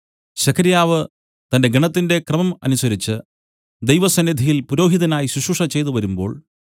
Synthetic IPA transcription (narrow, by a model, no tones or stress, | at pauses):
ɕɐkʰɐɾjaːʋɨ | t̪ɐnde̞ɡɐɳɐt̪ːinde̞krɐmɐmɐ̰nusɐɾit͡ɕːɨ | d̪ejʋɐsɐnːid̪ʱijilpuɾo̞ːɦiðɐnaːjiɕuɕuʂɐt͡ɕe̞jt̪uʋɐɾumbo̞ːɭ